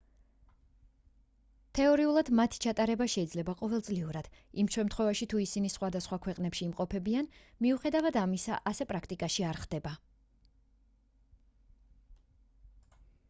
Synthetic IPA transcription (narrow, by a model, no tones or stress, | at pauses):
t̪ʰɛɔɾiulˠad̪mat̪ʰi̥t͡ʃʰat̪ʼaɾɛbaʃɛid̪zlɛbaqʼɔvɛlˠt̪sʼliuɾad̪̥ | imʃɛmt̪ʰχwɛvaʃit̪ʰuisinisχwad̪asχwakʰwɛqʼnɛpʃiːmqʼɔpʰɛbianmiuχɛd̪avad̪amisa̰ʔasɛpʼɾakʰt̪ʼikʼaʃiaɾχd̪̥ɛba